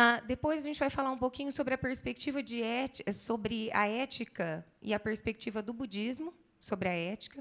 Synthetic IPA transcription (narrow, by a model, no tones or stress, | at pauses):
ad̪epojzɐʒẽnt͡ʃɪvajfalaɾũpokĩɲʊsobɾɪɐpeɾspek̚t͡ʃivɐd͡ʒɪɛt͡ʃsobɾɪɐ̰ɛt͡ʃikɐɪ̰ɐpeɾspek̚t͡ʃivɐd̪ʊbud͡ʒizmʊ | sobɾɪɐɛt͡ʃi̥kɐ